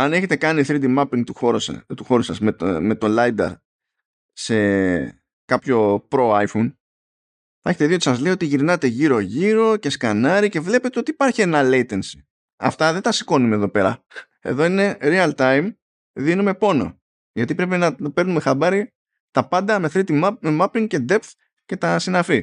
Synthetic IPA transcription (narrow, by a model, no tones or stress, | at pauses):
ɐne̞çe̞t̪e̞kɐniθɾid̪imɐpiŋɡt̪uoɾ̰t̪uxo̞ɾusɐzmeme̞t̪o̞lɐjd̪ɐ̰ɾ | se̞ | kɐpço̞pɾo̞ɐjfun | θɐeçe̞t̪eðio̞t̪i̥sɐzleioo̞t̪iʝiɾnɐt̪e̞ʝiɾo̞ʝiɾo̞ce̞skɐnɐɾice̞vle̞pe̞t̪e̞o̞t̪ipɐɾçienɐlejt̪ensi̥ | ɐ̰ft̪ɐðe̞t̪ɐsi̥ko̞numeðo̞pe̞ɾɐ̰ | e̞̰ðo̞ine̞ɾiɐlt̪ɐjm | ðinume̞po̞no̞̰ | ʝɐt̪ipɾe̞pinɐope̞ɾnume̞xɐbɐɾi | t̪ɐpɐnd̪ɐme̞θɾit̪imɐmemɐpiŋɡce̞d̪e̞pθ | ce̞t̪ɐsinɐfi